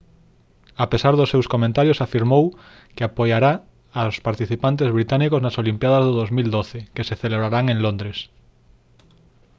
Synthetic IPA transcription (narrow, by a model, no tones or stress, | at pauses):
apesaɾðʊsːewskomẽnt̪aɾjosafiɾmow | keapojaɾaː | spaɾt̪iθipant̪̬ezβɾit̪anikoznasolimpjaðɐzðoðozmild̪oθekeseθeleβɾaɾaŋẽŋlond̪ɾes